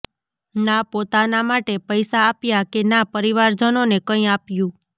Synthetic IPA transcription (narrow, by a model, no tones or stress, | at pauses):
napot̪anamaʈepəjsaːpjakenapəɾiʋaɾd͡ʒənonekə̃ĩapjũ